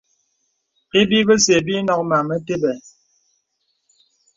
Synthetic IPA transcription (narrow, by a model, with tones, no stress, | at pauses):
e˦bi˦bə˦se˨bi˦nɔ˦k̚ma˨mə˦te˦bɛ˨